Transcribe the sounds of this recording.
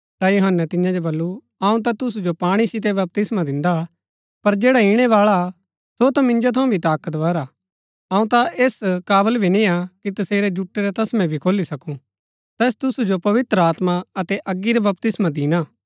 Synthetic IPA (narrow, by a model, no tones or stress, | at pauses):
t̪ajʊɦənːɛt̪ɪjãd͡ʒobɐlːu | ɐũt̪at̪ʊs̬ud͡ʒopaːɽ̃isɪt̪̬ebɐp̚t̪ɪsmad̪ɪ̃nd̪a | pɐɾd͡ʒeːɽaiɽ̃ɛʋaːɭa | sot̪amɪ̃nd͡ʒot̪ʰɐũbʱit̪aːkət̪ʋɐːɾaː | ɐːũt̪aʔeːskaːbəlbʱinĩakit̪ɐseːɾed͡ʒuʈːeɾɛt̪ɐsmɛ̃bʱikʰoːlisɐkũ | t̪ɛːs̬t̪ʊsud͡ʒopɐʋɪt̪ɾəaːt̪maɐt̪ɛʔɐɡːiɾɛbɐp̚t̪ɪsmãd̪iːɽ̃aː